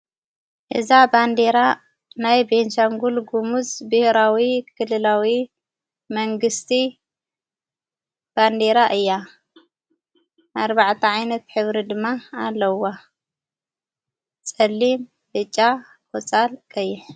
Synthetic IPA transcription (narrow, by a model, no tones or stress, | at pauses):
ʔɨzaband̪e̞ɾa | najbenʃaŋɡulɡumuzbɨhɾawikʰɨlːɨlawi | mɐŋɡɨst̪ʰi | b̥and̪e̞ɾaʔɨjːa | ʔaɾbaʕt̪ʰɐʕajnɐt̪ħɨβɾid̪ɨmːaalːɐwa | t͡sʼɐlːim | bɨt͡ʃʼːa | kʼot͡sʼalkʼɐjːɪħ